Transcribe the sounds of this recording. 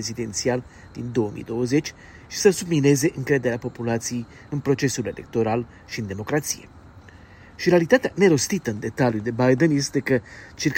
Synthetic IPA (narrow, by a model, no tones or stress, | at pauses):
ezid̪e̞nt̪sial | d̪̥ind̪o̞əmḭjd̪o̞wəze̞t͡ʃʲ | ʃi̥səsubmine̞ze̞ʔɨŋkɾe̞d̪e̞ɾeapo̞pulat̪sije̞j | ɨnpɾo̞t͡ʃe̞sule̞lek̚t̪o̞ɾal | ʃiɨnd̪e̞mo̞kɾat̪sije̞̰ | ʃiɾe̞alit̪at̪eane̞ɾo̞st̪it̪əɨnd̪e̞t̪aljud̪e̞bajd̪enje̞st̪e̞kət͡ʃirk